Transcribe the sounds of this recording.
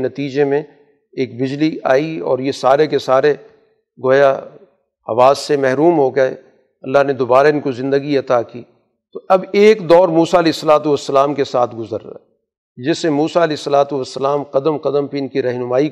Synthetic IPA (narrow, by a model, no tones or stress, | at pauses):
nɐt̪iːd͡ʒemẽ | eːkbɪd͡ʒliaːiɔ̰ːɾjesaːɾekesaːɾe | ɡoːja | hɐ̰ʋaːzsemɛɦɾuːmɦoɡɐḛ | ɐlːaɦned̪oːbaːɾaɪnkozɪ̃nd̪əɡiɐt̪aːkiː | t̪oɐbeːkd̪ɔːɾmuːsaɐlɛeːɪsːɐlaːt̪uʋɐsːəlaːmkesaːt̪ʰɡʊzəɾːa̰ | d͡ʒɪsemuːsaɐleːɪsːɐlaːt̪uʋɐsːəlaːmqɐd̪əmqɐd̪əmpiɪnkiɾɛɦnʊmaːi